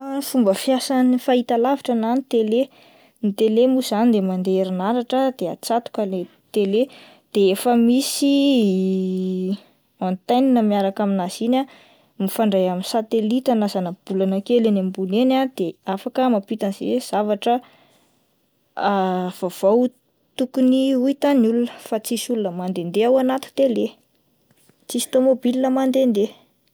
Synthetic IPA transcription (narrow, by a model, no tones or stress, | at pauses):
fumbəfjasanifait̪alaviʈ͡ʂənanit̪ele | nit̪elemuzanid̪emand̪eɾinaɾaʈ͡ʂəd̪̥ea̰t͡sat̪u̥kale | t̪ele | d̪̥eefəmisi | ant̪ajninəmiaɾakaminazinʲa | mifaɳɖ͡ʐajaminsat̪elit̪anazanəb̥ulanakelenambunenad̪eafakəmapit̪anz̥ḛez̥avaʈ͡ʂə | av̥av̥aw | t̪ukuniuit̪anulunəfat͡sisulunəmand̪end̪eawanat̪u̥t̪ele | t͡sist̪omobilinəmand̪end̪e